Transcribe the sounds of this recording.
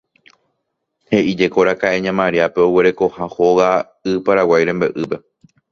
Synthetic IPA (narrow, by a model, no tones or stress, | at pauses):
he̞ʔid͡ʒe̞ko̞ɾakaʔe̞ɲãmãɾiape̞oweɾe̞ko̞hãhoɣa | ɨpaɾawajɾembeʔɨpe̞